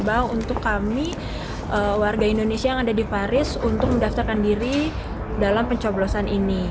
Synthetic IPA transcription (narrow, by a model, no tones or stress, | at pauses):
baunt̪ʊkːami | ʔəwarɡaindonesiajaŋadadipaɾɪsunt̪ʊk̚məndaft̪arkandiɾi | dalampəɲt͡ʃoblosanʔini